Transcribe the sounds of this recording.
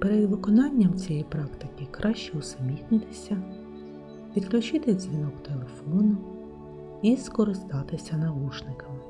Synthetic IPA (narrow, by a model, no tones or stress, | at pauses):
peɾed̪ʋɪkɔnɑnʲːɐmt͡sʲijɛjpɾɑkt̪ɪkɪkɾʔɑʃt͡ʃɛʊsɐmʲixnɪt̪ɪ̥sʲɐ | ʋʲid̪klʲʊt͡ʃɪt̪ɪzʲʋʲinɔkt̪e̞lˠe̞fɔnʊ | iskɔɾɪst̪ɑt̪ɪsʲɐnɐʋuʃnɪkɐmɪ